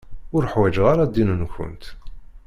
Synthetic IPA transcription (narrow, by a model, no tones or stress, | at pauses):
ʊɾəħwæd͡ʒʁaɾad̪ːinənçʊ̰nt̪